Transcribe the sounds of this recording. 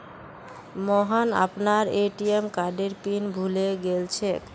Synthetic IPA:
mɔɦana̰pnaɾeʈiemkaɖeɾpinbʱuleɡelt͡ɕʰe

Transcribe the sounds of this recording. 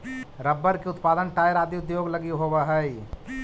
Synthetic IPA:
ɾəbːəɾkeʊt̪paːd̪ənʈaːjɾaːd̪iʊd̪joːɡlɐɡiɦobaɦəi

